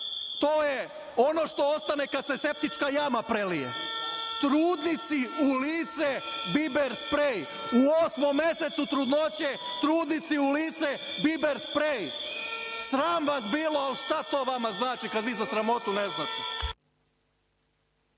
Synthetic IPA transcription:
t̪oːje | o̞no̞ʃt̪o̞ost̪ane̞kad̪se̞se̞p̚t̪it͡ʃkajamapɾelijḛt̪ɾuːd̪nit̪siuliːt̪sebibeɾspɾej | uosmomːe̞set̪sut̪ɾud̪not͡ɕe | t̪ɾuːd̪nit̪siuliːt̪se | bibeɾspɾej | sɾaːmʋasbiːloalʃt̪at̪o̞ːʋamaznaːt͡ʃikad̪ʋiːzasɾamo̞t̪uneznaːt̪e

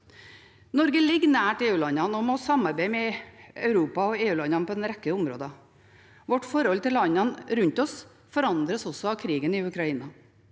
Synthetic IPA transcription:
nɔɾɡəlɪɡːnæːʈeːʉːlɑnɑnɔmɔsɑmːɑɾbeɪmɛœʉɾuːpɑɔeːʉːlɑnɑnpʰɔd̪ɛnɾɛkːəʊmɾo̰ːd̪ɑ | ʋɔʈfɔɾhɔlt̪ɪlɑnːɑnɾʉɲt̪ɔs | fɔɾɑnd̪ɾəsɔsɔɑʋkʰɾiːɡənɪʉkɾɑiːnɑ

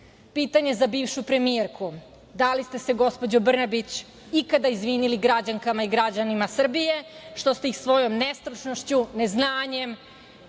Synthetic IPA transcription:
piːt̪aɲe̞zabiːʋʃupɾe̞mieɾkʰu | d̪alist̪e̞se̞ɡo̞spo̞d͡ʑobr̩nabit͡ɕ | ikad̪aizʋiniliɡɾad͡ʑaŋkamaiɡɾad͡ʑanimasr̩bijeʃt̪o̞st̪e̞ixsʋo̞jo̞mnest̪ɾut͡ʃnoʃt͡ɕuneznaːɲem

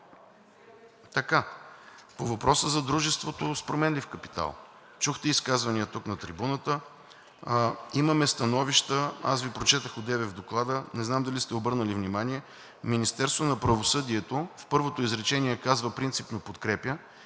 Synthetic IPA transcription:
t̪ɐka | povɐpɾɔsəzɐd̪ɾuʒɛst̪vot̪ospɾomɛnlifkɐpi̥t̪a̰lˠ | t͡ʃuxt̪ɛiskazvɐniət̪uknɐt̪ɾibunət̪ə | iməmɛst̪ɐnɔviʃt̪əa̰svipɾot͡ʃɛt̪əxod̪ɛvɛvd̪oklˠad̪ənɛznamd̪ɐlist̪ɛobɤɾnəlivnimaniɛ | minist̪ɛɾst̪vonɐpɾɐvosɤd̪iɛt̪ofpɤɾvot̪oizɾɛt͡ʃɛniɛkazvəpɾint̪sipnopot̪kɾɛpjə

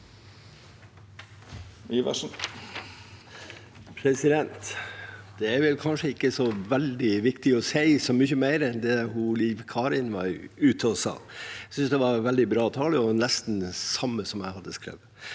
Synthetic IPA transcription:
iʋæ̰ʂn | pʰɾɛsɪd̪ɛnt̪d̪̥ɛæɾʋɛlkʰɑnʂəɪkːəsɔʋɛld̪ɪʋɪkt̪ɪɔsæɪsɔmʏçəmæɪɾɛnd̪ɛhʊliːʋkʰɑːɾɪnʋɑ̰ɾʉːt̪ʰəɔsɑ̰ːsʏnsd̪ɛʋɑɾʋɛld̪ɪbɾɑːt̪ʰɑːləɔnɛst̪n̩sɑmːəsɔmjæɪhɑd̪ːəskɾɛ̰ʋ

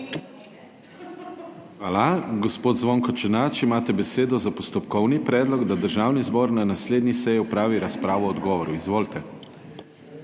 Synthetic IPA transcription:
xʋaːlaɡɔspoːd̪zʋoŋkɔt͡ʃɛnat͡ʃimaːt̪ɛbɛseːd̪ɔzapɔst̪ɔpkɔwnipɾɛːd̪lɔɡd̪ad̪əɾʒaːwnizbɔːɾnanasleːd̪nisɛjiupɾaːʋiɾaspɾaːʋɔɔd̪ɡɔːʋɔɾuizʋoːlt̪ɛ

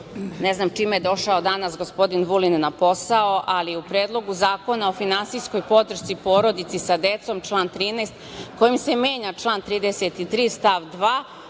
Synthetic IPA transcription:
neznaːmt͡ʃimejed̪o̞ʃaod̪anasɡospo̞d̪inʋulinːapo̞sao̞ʔaliupɾeːd̪lˠo̞ɡuzaːko̞nao̞finansijsko̞jpo̞d̪ɾr̩ʃt̪sipo̞ːɾo̞d̪it̪sisad̪e̞t̪so̞mt͡ʃlˠaːnt̪ɾiːnest̪ | ko̞jimse̞mjeːɲat͡ʃlˠaːnt̪ɾiːd̪eset̪it̪ɾiːst̪aʋd̪ʋaː

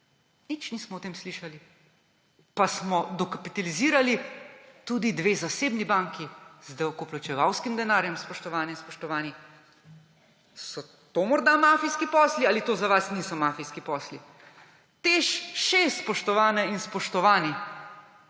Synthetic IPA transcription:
nit͡ʃnismɔwt̪eːmsliʃali | pasmɔd̪ɔkapit̪aliziːɾalit̪ud̪id̪ʋeːzaseːbnibaŋkizd̪ɛwkɔplɔt͡ʃɛʋawskimd̪ɛnaːɾjɛmspɔʃt̪ɔʋaːnɛinspɔʃt̪ɔʋaːni | sɔ | t̪oːmɔɾd̪amaːfijskipɔːslialit̪oːzaʋasniːsɔmafijskipɔːsli | t̪eʃʃespɔʃt̪ɔʋaːnɛinspɔʃt̪ɔʋaːni

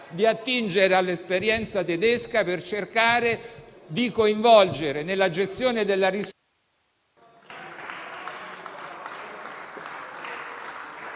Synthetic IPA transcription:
d̪iat̪ːind͡ʒeɾealːespeɾjɛnt̪sat̪ed̪eskapert͡ʃerkaːɾed̪ikoiɱvɔld͡ʒeɾenelːad͡ʒest̪joːned̪elːaris

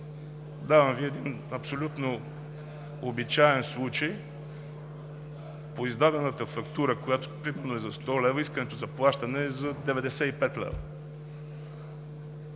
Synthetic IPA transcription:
d̪avɐmviɛd̪in | ɐpsolʲut̪no | obit͡ʃaɛnslˠut͡ʃəj | poizd̪ad̪ɛnət̪əfɐkt̪uɾəkojat̪o̥pɾimɛɾnoɛzɐst̪ɔlɛvəiskənɛt̪oʊzɐplˠaʃt̪ənɛzɐd̪ɛvɛd̪ɛsɛipɛt̪lɛ̰və

